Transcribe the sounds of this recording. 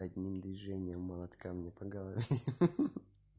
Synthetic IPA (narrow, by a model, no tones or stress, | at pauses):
ɐd̪ʲnʲimd̪vʲɪʐɛnʲɪjəmːəlˠɐt̪kamnʲepɐɡɐlˠəvʲe